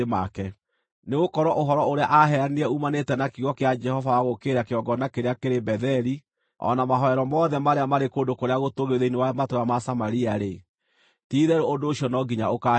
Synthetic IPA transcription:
makɛ | neɣokɔɾɔʔoɦɔɾɔoɾeaʔaɦɛɾaniɾɛumanetɛnakiɣɔkead͡ʒɛhɔvawaɣokeɾakeɔɡɔnakeɾeakeɾebɛðɛɾi | ɔ̰namaɦɔɛɾɔmɔðɛmaɾeamaɾekoːndokoɾeaɣotoɣeðeinewamatoɾamasamaɾiaɾe | tiːðɛɾoondoːɕiɔnɔɡiɲaoka

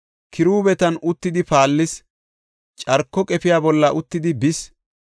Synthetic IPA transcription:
kʰɪɾuːbɛt̪ɐnʊt̪ːɪd̪ɪpaːlːɪs | t͡ʃʼɐɾkːɔkʼɛpɪjaːbɔlːɐʔʊt̪ːɪd̪ɪbɪs

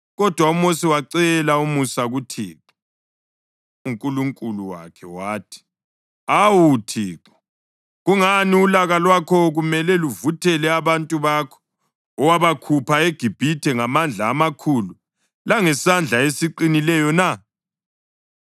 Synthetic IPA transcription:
ɣɔd̥ʱwaumosiwaǀɛlaumusaɣutʰḭːǁɔ̥ | uŋkʼuluŋkʼuluwa̰kʰɛwaːtʰi̥ | awutʰiːǁɔ̥ | ɣuŋaniulaɣalwakʰɔɣumɛlɛluvutʰɛlɛaβantʼuβakʰɔ̥ː | waβakʰupʰaeɡ̥ʱib̥ʱitʰɛŋamand͡ɮʱaːmakʰulu | laŋɛsand͡ɮʱaesiǃinilɛjɔna

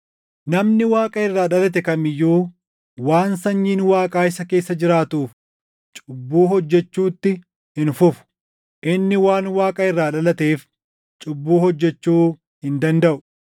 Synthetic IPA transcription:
nɐmnɪwaːkʼɐɪrːaːᶑɐlɐt̪̬ɛkɐmɪjːuː | waːnsɐɲːiːnwaːkʼaːɪsɐke̞ːsːɐd͡ʒɪɾaːt̪uːf | t͡ʃʼʊbːuːɦɔd͡ʒːɛt͡ʃːuːt̪ːɪ | hɪnfʊfʊ̥ | ʔɪnːɪwaːnwaːkʼɐɪrːaːᶑɐlɐt̪eːf | t͡ʃʼʊbːuːhɔd͡ʒːɛt͡ʃːuː | hɪnd̪ɐnd̪ɐʔʊ

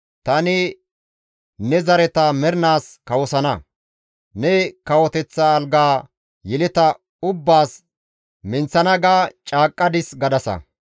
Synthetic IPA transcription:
t̪ɐnɪ | nɛzɐɾɛt̪ɐmɛɾnaːskɐwɔsɐnɐ | nɛkɐwɔt̪ɛt͡sːaːlɡaː | jɛlɪt̪ɐ | ʊbːaːs | mɪnt͡sːɐnɐɡaːt͡ʃʼaːkʼːɐd̪ɪsɡɐd̪ɐsɐ̰

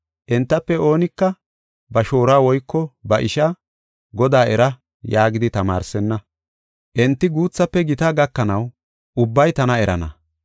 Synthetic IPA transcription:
ʔɛnt̪ːɐpːɛo̞ːnɪkːɐ | bɐʃo̞ːɾaːwɔjkːɔbɐʔɪʃɐ | ɡɔd̪aːɛɾɐ | jaːɡɪd̪ɪt̪ɐma̰ːɾsɛnːɐ | ʔɛnt̪ːɪɡuːt͡sːɐpːɛɡɪt̪aːɡɐkːɐnɐw | ʔʊbːɐjt̪ɐnɐɛɾɐ̰nɐ

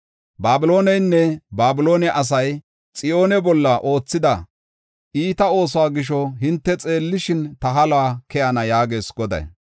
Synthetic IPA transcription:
baːbɪlo̞ːnɛjnːɛbaːbɪlo̞ːnɛʔɐs̬ɐj | t͡sʼɪjo̞ːnɛbɔlːɐʔo̞ːt͡sːɪd̪ɐ | ʔiːt̪ɐo̞ːs̬ɔwaːɡɪʃ̬ɔɦɪnt̪ːɛt͡sʼe̞ːlːɪʃɪnt̪ɐɦɐlaːkɛjɐnɐjaːɡe̞ːsɡɔd̪ɐ̰j

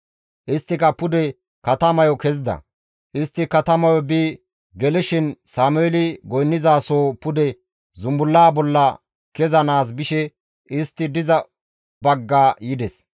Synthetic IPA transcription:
ʔɪst̪ːɪkɐpʊd̪ɛ | kɐt̪ɐmɐjɔkɛzd̪ɐ̰ | ʔɪst̪ːɪkɐt̪ɐmɐjɔbiː | ɡɛlɪʃɪnsaːmʊɛlɪɡɔjnːɪzaːsoːpʊd̪ɛ | zʊmbʊlːaːbɔlːɐ | kɛzɐnaːs̬bɪʃɛ | ʔɪst̪ːɪd̪ɪzɐ | bɐɡːaːjɪd̪ɛs

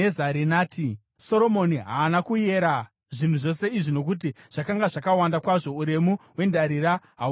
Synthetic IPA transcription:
ezaɾinaːti | so̞ɾo̞mo̞niɦa̰ːnakuje̞ɾa | ʐin̤uʐo̞se̞iʐino̞k̬ut̬iʐ̥akaŋɡaʐakawandakwaʐo̞uɾe̞muwe̞ndaɾiɾaɦa

